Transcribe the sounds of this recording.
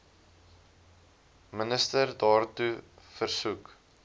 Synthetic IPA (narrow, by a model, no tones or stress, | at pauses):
mənəstərdɑːrtufərsuk